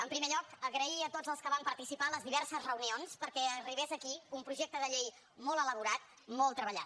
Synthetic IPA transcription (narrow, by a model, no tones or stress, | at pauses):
əmpɾimeʎɔkəɣɾəiət̪od͡zəlˠskəβampəɾt̪isipaləzðiβɛɾsəzrəunionspəɾkɛəriβezəkiumpɾuʒek̚t̪əðəʎej | mɔlˠələβ̞uɾat̪ | mɔlˠt̪ɾəβəʎa̰